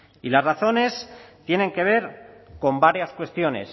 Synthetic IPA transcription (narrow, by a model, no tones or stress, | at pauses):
ilazraθo̞ne̞st̪je̞nẽ̞ŋke̞β̞e̞ɾko̞mbaɾjaskwe̞st̪jo̞ne̞̰s